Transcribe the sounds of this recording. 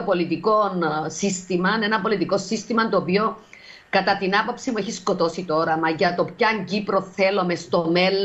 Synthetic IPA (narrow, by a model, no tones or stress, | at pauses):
opo̞lit̪iko̞nsist̪imɐne̞nɐpo̞lit̪iko̞sist̪imɐnt̪oːpio̞ | kɐt̪ɐt̪inɐpo̞psimueçisko̞t̪o̞sit̪o̞ɾɐmɐʝɐt̪o̞pçɐɲɟipɾo̞θe̞lo̞me̞st̪ome̞lː